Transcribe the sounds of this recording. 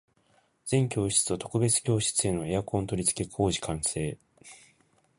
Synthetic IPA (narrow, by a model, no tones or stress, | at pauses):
z̥ẽ̞ŋkʲo̞ːɕi̥t͡sɨot̪o̞̥kɯ̟be̞t͡sɨ̥kʲo̞ːɕi̥t͡sɨe̞no̞e̞jakõ̞nt̪o̞ɾʲit͡sɨ̥ke̞kʰo̞ːʑi̥kãɰ̃se̞ː